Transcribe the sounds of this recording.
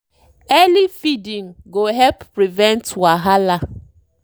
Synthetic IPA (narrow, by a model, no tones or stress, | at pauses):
ɛlifidĩŋ̩ɡoɦɛlpːɾivɛntwaɦala